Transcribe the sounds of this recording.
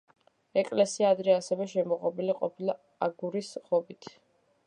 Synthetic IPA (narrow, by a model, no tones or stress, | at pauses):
ɛkʼlɛsiaːd̪ɾɛasɛvɛʃɛmɔʁʼɔbiliqʼɔpʰilˠa | aɡuɾisʁɔbit̪ʰ